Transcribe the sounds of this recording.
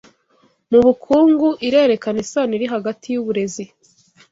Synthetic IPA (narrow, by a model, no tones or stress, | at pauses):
muβukʰuːŋɡuʔiɾe̞ːɾe̞kanisaniɾiɦaɡatʰijuβuɾe̞zi